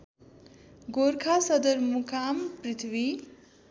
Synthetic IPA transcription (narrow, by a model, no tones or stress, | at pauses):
ɡoɾkʰasʌd̪ʌrmukʰamprit̪ʰwi